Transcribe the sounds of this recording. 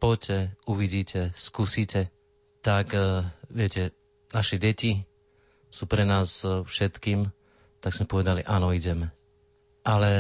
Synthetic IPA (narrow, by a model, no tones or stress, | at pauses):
pɔcɛuʋiɟiːcɛskusicɛ | t̪akʋɪɛcɛ | naʃɛɟɛci | suːpɾɛnaːsfʃɛt̪kiːm | t̪aɡz̥mɛpɔʋɛd̪aliʔanɔiɟɛmɛ | ʔalɛ